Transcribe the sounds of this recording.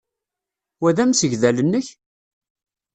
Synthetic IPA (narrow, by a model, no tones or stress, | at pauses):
wæðæmsəʝðælənːəç